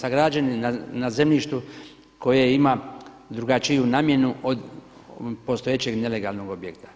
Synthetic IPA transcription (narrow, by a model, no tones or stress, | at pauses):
saɡɾad͡ʒaninanazemlʲiʃt̪u | ko̞jeima | d̪ɾuɡat͡ʃijunaːmje̞nuʔod̪ | po̞st̪o̞jet͡ɕe̞ɡne̞le̞ɡalˠno̞ɡo̞bjekt̪ḁ